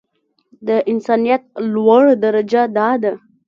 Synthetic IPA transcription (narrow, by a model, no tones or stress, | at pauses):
d̪əʔinsanijat̪̚lwəɭd̪əɾəd͡ʒad̪ad̪